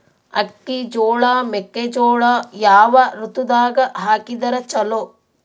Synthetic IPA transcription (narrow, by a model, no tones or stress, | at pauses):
ɐ̰kːid͡ʒoːɭaːmekːed͡ʒoːɭajaːʋɐɾut̪ud̪aːɡɐɦaːkid̪ɐɾɐt͡ʃɐlo